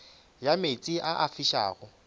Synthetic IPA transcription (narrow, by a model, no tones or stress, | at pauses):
jamet͡sʼiʔaʔafiʃa̰ːɣʊ